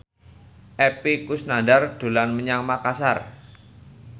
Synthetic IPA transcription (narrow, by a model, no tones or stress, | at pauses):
ʔɛpikʊsnandard̪̥o̤lanməɲaŋmakasar